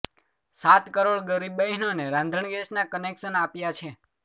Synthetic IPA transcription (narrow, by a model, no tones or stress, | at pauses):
sat̪kəɾoɭɡəɾibəɦinoneɾãnd̪ʱəɳɡesnakənekʃənapjat͡ʃʰe